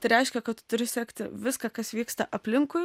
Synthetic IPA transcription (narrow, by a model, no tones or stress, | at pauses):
t̪ɐɪɾʲɛɪʃʲkʲɛkɐt̪t̪ʊɾʲɪsʲɛkt̪ʲɪ̰ʋʲɪskɑkɐsʋʲiːkst̪ɐʔɐpʲlʲɪŋkʊɪ